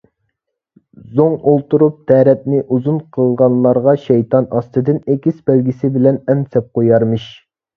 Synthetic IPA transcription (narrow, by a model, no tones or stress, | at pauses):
zoŋolˠt̪uɾup̚t̪ʰɛɾɛt̪̚nɪʔuzunqʰəlˠʁɑnlːˠɑɾʁɑʃɛjt̪ʰɑnɑst̪ɨd̪ɨnekʲisbɛlɡʲisɪbɪlɛnɛmsɛp̚qojɑɾmɨʃ